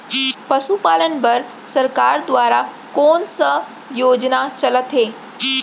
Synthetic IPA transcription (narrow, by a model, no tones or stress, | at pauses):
pəsupalənbəɾ | səɾkaɾd̪ʋaːɾa | konsə | jod͡ʑnat͡ɕələt̪ɦe